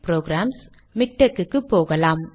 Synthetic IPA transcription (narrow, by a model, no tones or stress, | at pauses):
pɾoːɡɾaːms | mɪk̚ʈɐkːɯkːɯpːoːɣɐlaːm